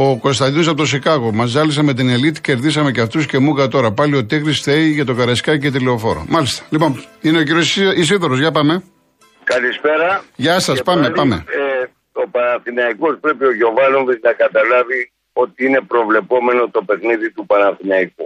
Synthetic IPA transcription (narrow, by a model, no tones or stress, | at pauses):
oko̞st̪ɐnd̪ino̞sɐpot̪osikɐɣomɐzɐlisɐme̞t̪̬ine̞lit̪i̥ce̞ɾðisɐme̞ceɐft̪usce̞muɣɐt̪o̞ɾɐpɐlio̞t̪eɣɾisθeiʝɐt̪o̞kɐɾɐskɐcet̪ileo̞fo̞ɾo̰mɐlist̪ɐ̥lipo̞nineociɾosis̬iðoɾozʝɐpɐme̞ | kɐlispe̞ɾɐʝɐsɐspɐmepɐmḛ | opɐnɐnθinɐiko̞spɾe̞pioʝo̞vɐlonviznɐkɐt̪ɐlɐvi | o̞t̪iine̞pɾo̞vle̞po̞me̞no̞t̪o̞pe̞xniðit̪upɐnɐθinɐiku